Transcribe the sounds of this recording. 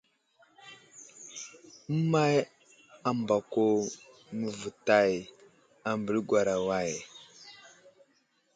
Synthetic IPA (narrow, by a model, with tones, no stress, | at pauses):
mə˦ma˦j | a˨mba˨ko˦ | mə˨və˨ta˦j | a˨mbə˨lɡwa˨ɾa˨wa˦˨j